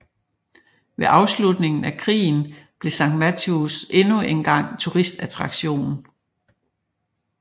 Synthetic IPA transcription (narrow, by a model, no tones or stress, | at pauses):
ʋe̝ʔɑ̈ʊslud̥ne̝ŋn̩ækʰʁḭːn̩b̥le̝sɑ̈ŋɡ̥mæt͡sʰusʔe̝nue̝nɡ̥ɑ̈ŋ̰t͡sʰuʁisd̥æt͡sʰʁɑ̈ɡ̥ɕo̝̰ːnn̩